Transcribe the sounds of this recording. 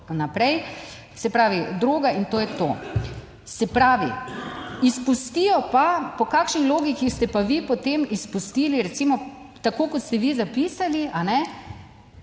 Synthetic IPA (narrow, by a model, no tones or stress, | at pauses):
napɾɛj | sɛpɾaːʋid̪ɾoːɡaint̪oːjɛt̪o̰ː | sɛpɾaːʋḭ | ispust̪ijɔpapɔkaːkʃnixloːɡikixst̪ɛpaʋipɔt̪emispust̪iːliɾɛt̪simɔ | t̪akoːkɔt̪st̪ɛʋizapiːsaliʔanɛ